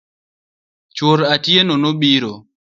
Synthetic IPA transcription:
t͡ʃwoɾatjenonoɓiɾo

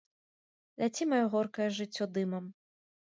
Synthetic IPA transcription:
lʲat͡sʲimajɔɣɔrkɐjɛʐɨt͡sʲːɔd̪ɨmɐm

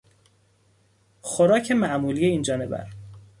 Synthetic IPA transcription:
xoɾɒːcʰe̞mæʔmuːliːje̞iːnd͡ʒɒːne̞bæ̰ɾ

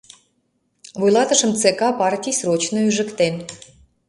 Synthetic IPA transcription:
vujlˠɑt̪ə̆ʃə̆mt͡sekɑpɑrtʲijsrot͡ɕnoyʒɘ̆kt̪en

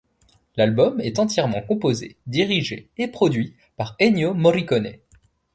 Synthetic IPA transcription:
lalbɔmɛt̪ɑ̃t̪jɛʁmɑ̃kɔ̃pozḛd̪iʁiʒeepχɔd̪ɥi | paʁɛnjomɔʁikɔnɛ̰

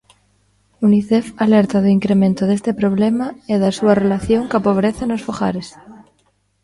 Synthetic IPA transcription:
uniθefaleɾt̪aðoiŋkɾemẽnt̪oðest̪epɾoβlemaeðasuarelaθjoŋkapoβ̞ɾeθanosfoxa̰ɾes

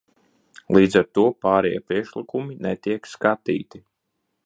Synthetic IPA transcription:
lˠiːd̪zaɾt̪uɔpaːɾɛjɛ̰pɾiɛkʃlˠikuminɛt̪iɛkskat̪ḭːt̪i

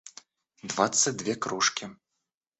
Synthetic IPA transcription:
d̪vat̪sːətʲd̪vʲɛkɾuʂkʲi

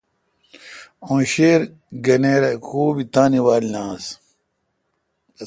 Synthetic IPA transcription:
õːɕeːɾ | ɡɐneːɾɐkʰuːbit̪aːniwaːlinãːs

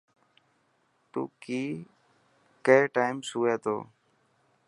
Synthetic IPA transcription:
t̪ṵːkiː | keːʈaːɪmsuːeːt̪o̰ː

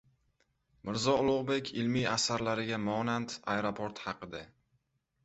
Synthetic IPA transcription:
mɪɾzɒʊlˠʊʁbe̞kʲʰɪlmiasaɾlaɾɪɡʲamɒnant̪ajɾopʰoɾt̪hɑqʰɨd̪a

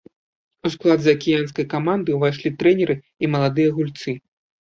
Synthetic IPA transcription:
usklˠad̪zɐɐkʲijanskɐjkamand̪ɨvajʂlʲit̪ɾɛnʲɛɾɨ | imɐlˠad̪ɨjɐɣulʲt̪sɨ

